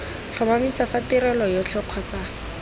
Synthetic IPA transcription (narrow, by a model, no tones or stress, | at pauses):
ɬʰɔmamisafatɪɾɛlɔjɔt͡ɬʰɛq͡χʰwat͡saː